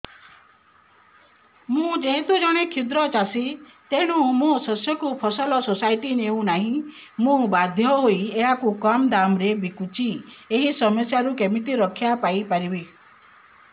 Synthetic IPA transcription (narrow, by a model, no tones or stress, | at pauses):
mũd͡ʒeɦet̪ud͡ʒɔɽ̃ekʰid̪ɾɔt͡ʃasit̪eɽ̃ũmũsɔsjɔkupʰɔsɔlɔsosaiʈineũnaɦĩ | mũbad̪ʱjɔɦoieɦakukɔmd̪amɾebikut͡ʃieɦisɔmɔsjaɾukemit̪iɾɔkʰjapaipaɾibe